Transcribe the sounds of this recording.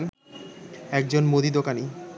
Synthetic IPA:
n | ɛk̚d͡ʑonmod̪id̪okani

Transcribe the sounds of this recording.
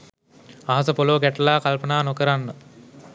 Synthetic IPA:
aɦas̬əpoloːɡæʈəlaːkalpənaːnokəɾanːə

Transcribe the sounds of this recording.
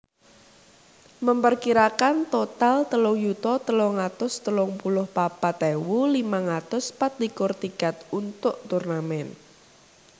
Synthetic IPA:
məmpərkiɾakant̪ot̪alt̪əlʊŋjut̪ɔt̪əlɔŋat̪ʊst̪əlʊŋpulʊhpapat̪ɛwulimaŋat̪ʊspat̪̚likʊrt̪iɡ̥a̤t̪̚unt̪ʊʔt̪urnamɛn

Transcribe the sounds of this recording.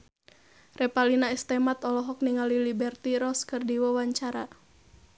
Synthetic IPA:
rɛpalinaist̪ɛmat̪ɔlɔɦɔk̚niŋalilibɛrt̪iɾɔskɨrdiwɔwaɲt͡ʃaɾa

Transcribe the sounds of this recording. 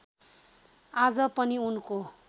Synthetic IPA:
ad͡zʌpʌniunko

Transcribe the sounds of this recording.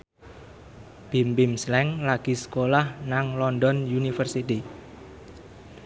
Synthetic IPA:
b̥imbimslɛŋlaɡ̥i̤sə̥kolahnaŋlɔnd̪ɔnjunifərsit̪i

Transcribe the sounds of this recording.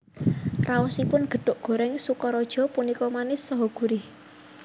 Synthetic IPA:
raɔsipʊnɡ̥ə̤ɖ̥ʊ̤ʔɡ̥o̤ɾɛŋsukɔɾɔd̥ʒ̥ɔ̤punikɔmanɪsːɔɦɔɡ̥uɾɪh

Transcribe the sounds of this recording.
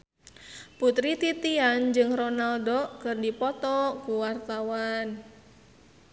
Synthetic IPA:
put̪ɾit̪it̪iand͡ʒɨŋrɔnaldokɨrdipɔt̪ɔkuwart̪awan

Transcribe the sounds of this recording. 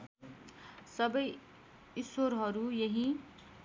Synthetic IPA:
sʌbʌj | iswoɾɦʌɾujeɦi

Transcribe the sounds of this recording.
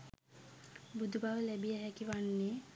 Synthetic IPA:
bud̪ubaʋəlæbijəɦækiʋanːe

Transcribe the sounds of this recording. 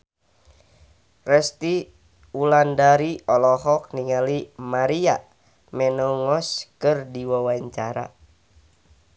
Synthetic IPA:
rɛst̪i | ulandaɾiʔɔlɔɦɔk̚niŋalimaɾia | mɛnɔŋɔskɨrdiwawaɲt͡ʃaɾa̰

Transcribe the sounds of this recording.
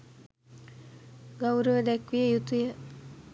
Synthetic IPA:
ɡawɾəʋəd̪ækʋijəjut̪ujə

